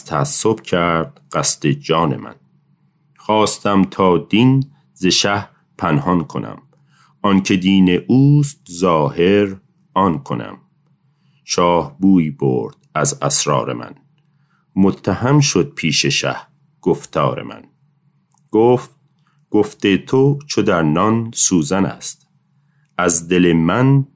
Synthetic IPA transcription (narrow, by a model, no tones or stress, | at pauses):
t̪ʰæːsːo̞bcʰæɾd̪̥ɢ̥æst̪e̞d͡ʒɒːne̞̰mæ̰n | xɒːst̪æmt̪ʰɒːd̪in | zeʃæh | pʰænhɒnkʰo̞næ̰m | ɒncʰe̞d̪iːne̞ʔuːst̪zɒːhe̞ɾ | ɒnkʰonæ̰m | ʃɒːhbuːiːbo̰ɾd̪̥æzæsɾɒ̰ːɾe̞̰mæ̰n | mot̪ʰːæhæmʃod̪̥̚pʰiːʃeʃæ̰h | ɡ̥oft̪ʰɒːɾḛmʔæ̰n | ɡ̥oːft̪̚ | ɡ̥oft̪et̪ʰot͡ʃʰod̪æɾnɒnsuːzænæ̰st̪ | æzd̪elemæn